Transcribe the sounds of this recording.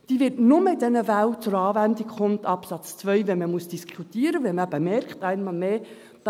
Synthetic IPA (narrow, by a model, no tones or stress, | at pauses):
d̥iːʋɪtnʊməɪdɛnəvæwt͡sʊɾɑːvændikχʊmtɑpsɑt͡st͡sʋœʏʋɛməmusd̥iskʰutiːəɾəvɛməbəmɛɾkχtæɪnmɑlmeː | d̥